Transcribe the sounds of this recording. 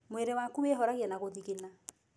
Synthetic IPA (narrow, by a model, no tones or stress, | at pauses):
mweɾewakuweɦɔɾaɣjanaɣoðiɣena